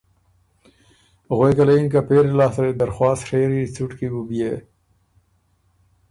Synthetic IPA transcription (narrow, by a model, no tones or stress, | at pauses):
ɣwojkalainkapeːɾelɑːsɾed̪aɾxwɑːsʂeɾit͡suʈkibubije